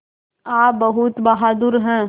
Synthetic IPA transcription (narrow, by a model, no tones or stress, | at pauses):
aːbɐɦʊt̪bɐɦaːd̪ʊɾɦɛ̃ː